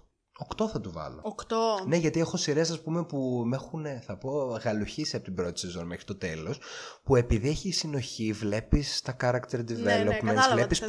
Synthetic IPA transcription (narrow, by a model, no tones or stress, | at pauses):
okt̪o̞θɐt̪uvɐ̰lo̞̰okt̪one̞ʝɐt̪iexo̞siɾes̬ɐspume̞pumexuneθɐpo̞ɣɐluçisiɐpot̪ibɾo̞t̪i̥se̞zo̞nmexɾit̪o̞t̪e̞lo̞spue̞piðieçiːsino̞çivle̞pist̪ɐkɐɾɐkt̪eɾd̪ivelopmensvlepis